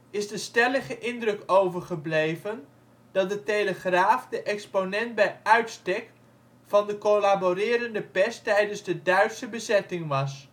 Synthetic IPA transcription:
ɪzdəstɛləχəʔɪndrɵkowvəɹχəblejvən | d̥ɑt̚dətejləχraːfdəʔɛksponɛnt̚bɛjœɥtstɛk̚ | fɑndəkolaborɪːɾəndəpɛstɛjdənzdədœɥtsəbəzɛtɪŋʋɑs

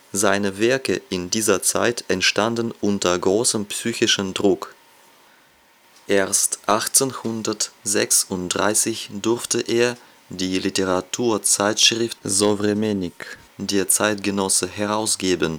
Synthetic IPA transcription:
zaɪnəvɛɐkəʔɪndiːzɐt͡sa̰ɪtɛntʃtandn̩ʔʊntɐɡʁoːsəmpsyːçɪʃəndʁʊk | ʔeːɐstʔaχt͡senhʊndɐtzɛksʊntd̥ʁa̰ɪsɪçdʊɐftəʔeːɐ | diːliteʁatʰuːɐt͡saɪtʃʁ̥ɪftzovʁemenɪk | d̥eːɐt͡saɪtɡ̥ənɔsəɦɛʁaʊsɡ̥eːbən

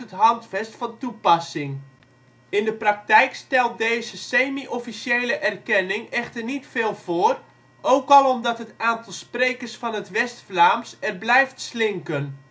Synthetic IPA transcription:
ətɦɑntfɛstfɑntupɑsɪŋ | ɪndəprɑk̚tɛjkstɛlˠt̚deːzəseːmiʔɔfisjejləʔɛrkɛnɪŋɛxtərnitfeːlˠv̥oːər | ʔowkɑlˠɔmdɑtɦətaːntɑlˠsprejkərsfɑnətʋɛstflaːmsɛrblɛjftslɪŋkən

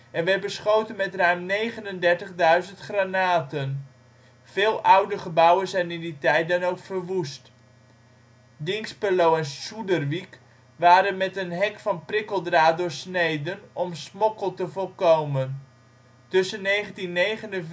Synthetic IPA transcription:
ɛnʋɛbəsχowtənmɛtrœɥmnejχənəndɛɹtəχdœɥzəntχranaːtən | v̥ɪːlˠʔʌwdəχəbʌwənzɛjnɪnditɛjt̚dɑnowkfərʋust | dɪŋkspəlowɛnsudərʋik | ʋaːɾənmɛtənɦɛkfɑnprɪkəlˠdraːt̚dʊːɹsnejdənɔmsmɔkəlˠtəvolˠkowmən | tɵsənːejχəntinːejχənə

